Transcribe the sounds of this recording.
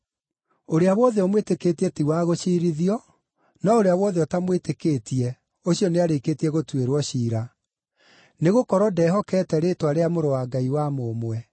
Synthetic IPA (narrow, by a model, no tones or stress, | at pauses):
oɾeawɔðɛɔmweteketiɛtiwaɣoʃiːɾiðiɔ | naoɾeaβwɔðeɔtamwetekeːtiɛ | oɕiɔneaɾeketiɛɣotweɾwɔɕiːɾa | neɣokɔɾɔdɛɦɔkɛːtɛɾetwaɾeamoɾowaːɡaiwamoːmwɛ